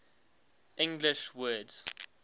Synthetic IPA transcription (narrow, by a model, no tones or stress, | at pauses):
ʔɪ̃ŋɡlɪʃwɜdz̥